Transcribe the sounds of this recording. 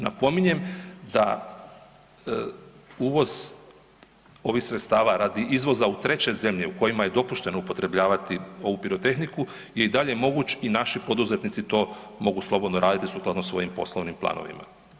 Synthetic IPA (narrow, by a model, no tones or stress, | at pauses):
na̰po̞miɲe̞md̪a̰ | uːʋo̞z̥ | o̞ʋixsɾet̪st̪aːʋaɾad̪iʔizʋo̞zaut̪ɾe̞t͡ɕe̞ze̞mʎe̞uko̞jimaje̞d̪o̞puʃt̪e̞noupo̞t̪ɾe̞bʎaːʋat̪io̞ʋupiɾo̞t̪e̞xniku | je̞id̪aʎe̞mo̞ɡut͡ɕinaʃipo̞d̪uze̞t̪nit̪sit̪o̞ː | mo̞ɡuslˠo̞bod̪no̞ɾaːd̪it̪isuːklˠad̪nosʋo̞jimpo̞̰slˠoʋnimpla̰ːno̞̰ʋḭma̰